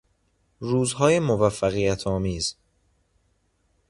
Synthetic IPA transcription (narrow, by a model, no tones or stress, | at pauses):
ruːzhɒːjemovæfːæɣijæt̪ʰɒːmiːz